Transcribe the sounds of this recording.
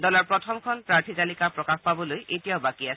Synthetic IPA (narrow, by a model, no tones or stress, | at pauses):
dɔlaɹpɹɔtʰɔmkʰɔnpɹaɹtʰitalikapɹɔkaxpabɔlojʔetijaʊbakiasɛ